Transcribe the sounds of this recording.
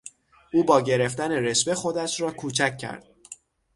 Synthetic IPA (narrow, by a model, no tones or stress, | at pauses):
ʔuːbɒːɟe̞ɾe̞ft̪æne̞ɾesbe̞xo̞d̪æʃrɒːkʰuːt͡ʃʰæcʲʰːæ̰ɾd̪̥